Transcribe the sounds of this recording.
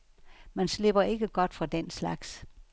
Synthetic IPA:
mænsle̝b̥ɐe̝ɡ̥əɡ̥ɒ̽d̥fʁɑ̈d̥enslɑ̈ɡ̥s

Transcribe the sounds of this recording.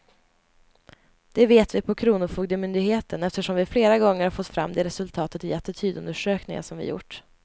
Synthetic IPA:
d̪̥ɛveːt̪vɪpʰɔkʰɾuːnʊfuːɡd̪əmʏnd̪ɪɡheːt̪ənɛft̪əʂɔmvɪfleːɾaɡɔŋːəɾhafɔt̪ːfɾa̰mːd̪ɛɾɛsɵlt̪ʰɑːt̪ət̪jɛt̪ːət̪ʰyːd̪ɵ̰nd̪əʂøːknɪ̰ŋa̰ʂɔmvɪ̰jʊ̰ʈː

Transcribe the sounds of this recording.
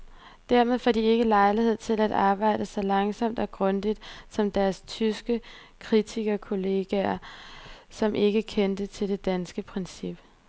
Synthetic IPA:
d̥æɐ̰með̞ˠfɒd̥ie̝ɡ̥əlɑ̈ɪlihe̝ð̞̰ˠt͡sʰe̝læd̥ɑ̈ːb̥ɑ̈ɪ̰d̥əsɒ̽lɑ̈ŋsɒ̽m̰d̥ɒ̽ɡ̥ʁɔ̽nd̥id̥sɒ̽md̥æɐst͡sʰysɡ̥ə | kʰʁit͡sʰiɡ̥ɐkʰo̝le̝ːɡ̥æɐ | sɒ̽mʔe̝ɡ̥əkʰend̥ət͡sʰe̝lde̝d̥ænsɡ̥əpʰʁɛnsib̥

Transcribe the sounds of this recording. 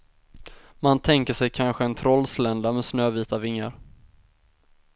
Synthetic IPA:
mant̪ʰɛŋkəʂɛjkʰanɧəɛnt̪ʰɾɔlːslɛnd̪amɛsnøːviːt̪avɪŋːaɾ

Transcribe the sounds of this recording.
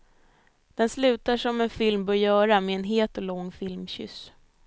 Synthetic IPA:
d̪̥ɛnslʉ̟ːt̪aʂɔmɛnfɪlmbɵjœːɾamɛːnɦeːt̪ɔlɔŋːfɪlmɕʏ̰s

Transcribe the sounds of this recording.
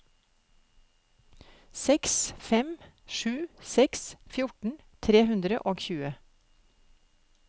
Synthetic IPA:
sɛksfɛmʃʉːsɛksfjʊʈɳ̩ | t̪ʰɾeːhʉnd̪ɾəʔoːɡçʉːə

